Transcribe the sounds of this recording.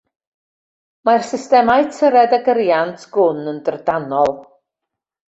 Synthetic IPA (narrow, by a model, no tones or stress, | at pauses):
marsɪstɛmajtʰəɾɛdəɡəɾjantʰɡ̥ʊnəndərdanɔlˠ